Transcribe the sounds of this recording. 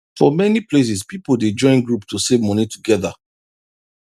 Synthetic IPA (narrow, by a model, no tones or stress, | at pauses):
fɔmɛniples̬ispipolded͡ʒɔ̃ɪ̃nɡɹuptusevmɔnituɡɛða